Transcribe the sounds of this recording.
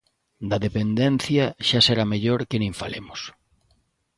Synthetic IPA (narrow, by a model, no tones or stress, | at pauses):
d̪ɐðepend̪en̟θjɐʃaseɾameʎoɾkenẽɱfalemʊs